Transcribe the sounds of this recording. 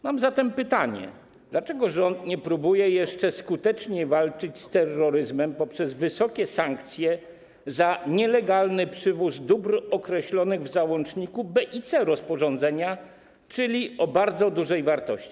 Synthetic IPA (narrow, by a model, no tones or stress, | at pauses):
mamzat̪ɛmpɘt̪aɲɛ̰ | d̪̥lat͡ʂɛɡɔʐɔnt̪ɲɛpɾubujɛjɛʂt͡ʂɛskut̪ɛt͡ʂɲɛvalt͡ʂɘt͡ɕst̪ɛrːɔɾɘzmɛmpɔpʂɛzvɘsɔkʲɛsaŋkt̪sʲjɛ | zaɲɛlɛɡalnɘpʂɘvuzd̪ubɾɔkɾɛɕlɔnɘɣvzawɔ̃nt͡ʂɲikubɛʔit̪sɛɾɔspɔʐɔnd̪zɛɲa | t͡ʂɘlʲiɔbaɾd̪zɔd̪uʐɛjvaɾt̪ɔɕt͡ɕi̥